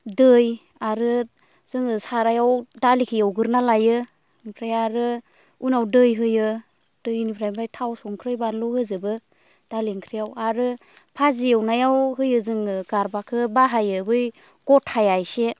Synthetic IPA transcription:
dɯj | aɾɯ | z̥ɯŋɯsaɾajawdalikʰɯjawɡɯɾnalajɯ | nipʰɾajaɾɯ | unawdɯjɦɯjɯ | d̥ɯjnipʰɾajmbajtʰawsɔŋkʰɾɯjbanlɔhɯzɯbɯ | d̥aliŋkʰɾijawaɾɯ | pʰazijawnajawɦɯjɯzɯŋɯɡ̥aɾbakʰɯbaɦajɯbɯj | ɡ̥ɔtʰhajajse

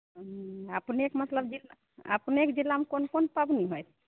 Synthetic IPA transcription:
apnekmət̪ləbd͡ʒil | a̰pnekd͡ʒilːamkonkonpabniɦɔjt̪ʰ

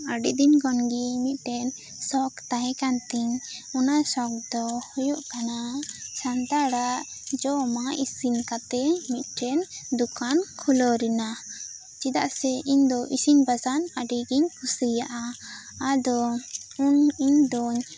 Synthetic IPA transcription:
aɖid̪iɲkɔnɡimit̪̚ˀʈɛn | sɔkt̪aɦɛ̃kant̪iɲɔnasɔk̚d̪ɔhɔjɔʔkanasant̪aɽaʔd͡ʒɔmaʔisinkat̪ɛmit̪̚ˀʈɛnd̪ukʰankʰulɔɾɛna | t͡ʃid̪aʔsɛʔiɲd̪ɔʔisiɲbasanaɖiɡiɲkʰusijaʔa | ad̪ɔuniɲd̪ɔɲ

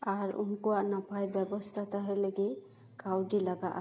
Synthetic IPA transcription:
aɹṵŋkuwaʔnapajbɛbɔst̪ʰat̪aɦɛleɡi | kawɖilaɡaʔa

